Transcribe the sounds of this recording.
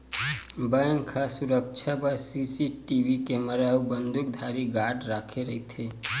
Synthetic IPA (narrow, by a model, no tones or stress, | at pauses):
bəjŋkʰasuɾək̚t͡ʃʰapəɾsisiʈibikeməɾaubənd̪ʱuk̚d̪ʱaɾiɡaʈɾakʰeɾəɦit̪ʰe